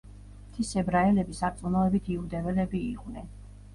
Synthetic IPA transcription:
t̪ʰisɛbɾaɛlɛbisat̪sʼunɔɛbit̪ʰiud̪ɛvɛlɛbiːqʼvnɛn

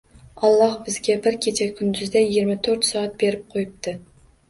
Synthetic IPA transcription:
ɒlˠːɑhbɪzɡʲabɪɾkʲʰet͡ʃʰakʲʰʊnd̪ʏzd̪ajɪɡʲɪɾmat̪ʰɵɾt̪sɒɑt̪̚be̞ɾɪp̚qʰojɪp̚t̪ɪ

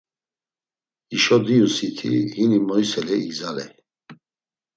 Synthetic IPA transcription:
iʃɔd̪iusit̪ʰḭhinimɔjisɛlɛiɡzalɛ̰

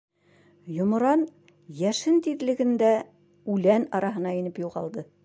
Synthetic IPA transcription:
jŏmŏɾɑn | jæʃɘnt̪iðlɘ̆ɡɘ̆nd̪æ | ʉlænɑɾɑɦɤ̆nɑinɘpjuʁɑlˠd̪ɤ

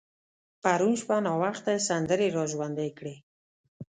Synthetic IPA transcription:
paɾunʃpanɑwaxt̪asand̪əɾeɾɑʒwand̪ekɽe

